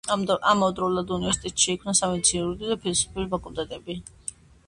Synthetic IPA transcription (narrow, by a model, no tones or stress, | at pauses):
amɔd̪ɾɔulˠad̪univɛɾsi̥t̪ʼɛt̪ʃɛikʰmnasamit̪sʰinɾud̪id̪apʰilisu̥pʰiuɾibakʼulˠt̪ʼɛt̪ʼɛbi